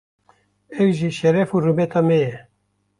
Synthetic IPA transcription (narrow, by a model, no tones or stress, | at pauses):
ɛwʒiːʃɛɾɛfurumɛt̪ʰɑːmɛjɛ